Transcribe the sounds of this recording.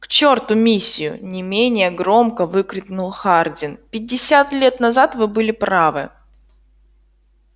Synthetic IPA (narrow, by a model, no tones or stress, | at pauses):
kt͡ɕo̞rt̪ʊmʲisʲːɪjʊ̰nʲɪmʲenʲɪjəɡɾo̞mkəvɨkɾʲɪknʊlˠxardʲɪnpʲɪdʲːɪsʲat̪lʲet̪nɐzat̪vɨbɨlʲɪpɾavɨ̰